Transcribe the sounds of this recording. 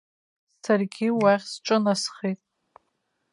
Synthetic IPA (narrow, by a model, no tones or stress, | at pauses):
sarɡʲiwaʁʲsʈ͡ʂʼɨnasχitʼ